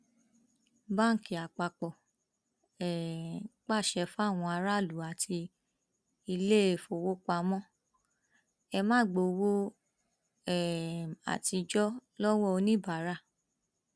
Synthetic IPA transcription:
ba˦˨ŋ̩˨ki˨a˨k͡pa˧k͡pɔ˨ | ɛ˨˦k͡pa˦˨ʃɛ˧fa˦˨w̃ɔ̃˧a˧ɾa˦˨lu˨˦a˨ti˧ | i˧le˦˨fo˧˨wo˦k͡pa˧mɔ̃˦ | ɛ˧mãː˦˨ɡ͡bo˧˨˧wo˦ | ɛ˦˨a̰˨ti˧d͡ʒɔ˦lɔ˦wɔ˦o˧nĩ˦ba˨˦ɾa˦˨

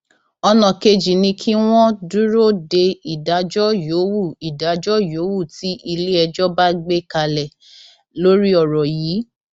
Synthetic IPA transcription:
ɔ˧nã˨ke˧d͡ʒi˨nĩ˧kʰi˦w̃ɔ̃˦du˦ɾo˦de˧i˨da˨˦d͡ʒɔ˦jo˨˦wu˦˨i˨da˨˦d͡ʒɔ˦jo˨˦wu˦˨ti˨˦ʔi˧le˦ɛ˧d͡ʒɔ˦ba˦ɡ͡be˦ka˧lɛ˨ | lo˦ɾi˦ɔ˦˨ɾɔ˨jiː˨˦

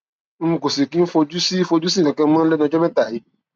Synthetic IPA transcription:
n̩˦mũ˧ko˨si˨ki˦fo˧d͡ʒu˦si˦fo˧d͡ʒu˦sĩ˦˨kã˨kã˧˦mã˦lɛ˦nɔ̃˧˦d͡ʒɔ˦mɛ̃˦t̪a˨ji˨˦

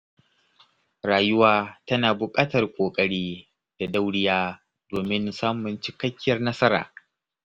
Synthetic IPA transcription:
ɾaː˨jʊ˦waː˦tɐ˦naː˨bʊ˨kʼaː˦tɐ˨rkʷʼoː˨kʼɐ˦ɽiː˦ | d̥a˨da˦wɽɪ˦jaː˦ | d̥oː˨mɪ˦nsaː˦mʊ˨nt͡ʃɪ˨kɐ˦kʲːɪ˦jɐ˨rnɐ˦sɐ˦ɾa̰ː˨

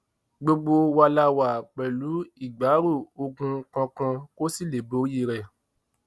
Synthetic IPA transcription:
ɡ͡bo˧ɡ͡bo˧wa˧la˧wa˨k͡pɛ˨lu˨˦i˦˨ɡ͡ba˨˦ɾu˦˨o˧ɡũ˧kã˧kã˧ko˦si˦˨le˨bo˨˦ji˦˨ɾɛ˨

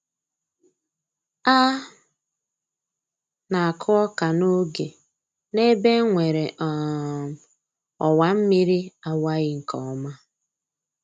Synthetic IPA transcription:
a˦ | na˨kʰʊ˦ɔ˦ka˨no˦ɡe˨ | ne˦be˦ŋʷe˨ɾe˨ʔ | ɔ˨wa˨m̩˦mi˦ɾi˦a˨wa˦ɣɪ˦ŋ̩˨kɔ˨ɔ˨˦ma˦

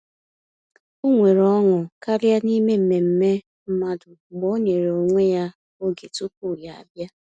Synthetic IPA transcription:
u˦ŋʷe˨ɾɔ˦ŋʊ˨ka˦ɾja˦ni˦me˦m̩˨me˨m̩˦me˦ | m̩˦ma˦dʊ˨ɡ͡bo˦ɲe˨ɾe˨o˨ŋʷe˦ja˦ | o˦ɡe˨tu˦k̚u˦˨ɾja˨a̰˨bja˦

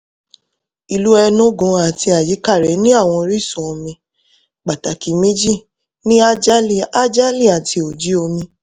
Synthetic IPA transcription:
i˨lu˦ɛ˧nũ˦ɡɔ̃˨˧a˨ti˧a˨ji˨˦ka˦˨ɾɛ˨˦nĩ˦a˦˨w̃ɔ̃˧ɾi˦˨sɔ̃˨˦˧mĩ˧ | k͡pa˨ta˨ki˨mĩ˦d͡ʒi˦˨ | nĩ˦a˦d͡ʒa˦˨a˦d͡ʒa˦li˦˨a˨tʰi˧o˨d͡ʒi˨˦o˧mĩ˧

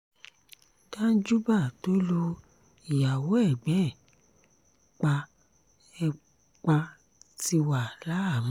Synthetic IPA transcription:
tã˦n̩˦d͡ʒu˦ba˦˨to˦lu˧ | i˨ja˨wo˨˦ɛ˦˨ɡ͡bɛ˨˦˨ | k͡pa˧ | ɛ˧ | k͡pa˧ | ti˧wa˨la˨˦a˦˨mã˨˦

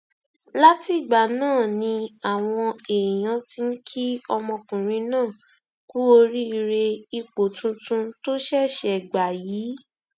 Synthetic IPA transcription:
la˦ti˦˨ɡ͡ba˨nãː˦˨nĩ˧a˨w̃ɔ̃˧e˨j̃ã˨˦ti˧˦n̩˦kʰi˦ɔ˧mɔ̃˧kũ˨ɾ̃ĩ˧˦nãː˦˨ | ku˦o˧ɾi˦i˧ɾe˧i˧k͡po˨tũ˧˦tũ˦to˦ʃɛ˦˨ʃɛ˨ɡ͡ba˨jiː˨˦

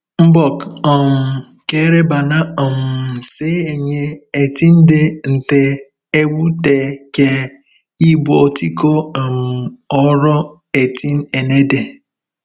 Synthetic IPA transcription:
m̩˦bɔ˨kɔ˨ŋ̩˨ | ke˦ɾe˦ba˨na˦ɔ˨m̩˨se˦e˨ɲe˦e˨ti˦n̩˦de˦n̩˨te˦ | e˦wu˦te˨ke˦ | i˦bʷɔ˨ti˦ko˦˨m̩˨ɔ˦ɾɔ˦ | e˨ti˦n˦e˨ne˦de˨

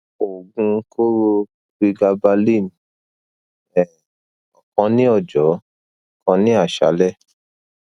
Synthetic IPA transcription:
o˨ɡũ˧˦ko˦ɾo˧ | ɾi˧ɡa˧ba˧li˦˨ñ˨ | ɛ˨ | ɔ˨kɔ̃˧nĩ˦ɔ˦˨d͡ʒɔ˨˦˨ | kɔ̃˧nĩ˦a˦˨ʃa̰˨˦lɛ˦˨

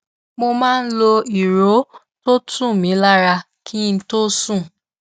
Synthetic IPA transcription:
mo˧mãː˦˧n̩˦lo˧i˨ɾo˨˦ | to˦tʰũ˦˨mĩ˨˦la˦ɾa˧ | kʰi˦n̩˧˦to˦sũ˦˨

